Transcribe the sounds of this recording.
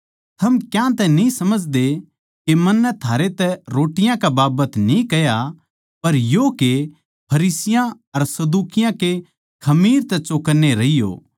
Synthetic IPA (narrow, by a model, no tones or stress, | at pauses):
t̪ʰɐmkjãt̪ɛnĩsɐməd͡ʒd̪e | kemɐnːɛt̪ʰaːɾet̪ɛɾoːʈɪjãkabaːbət̪nĩkɐja | pɐɾjoke | pʰɐɾiːsɪjã | ɐɾsɐd̪uːkɪjãke | kʰɐmiːɾt̪ɛt͡ʃoːkəɾneɾɐijo̰ː